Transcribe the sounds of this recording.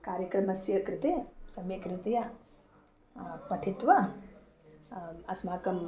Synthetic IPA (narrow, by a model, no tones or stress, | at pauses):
kaːɾjɐkɾɐmɐsjɐkɾɪt̪esɐmjɐkɾɪt̪ɐjɐ | pɐʈʰit̪ʋɐ | ɐsmaːkɐm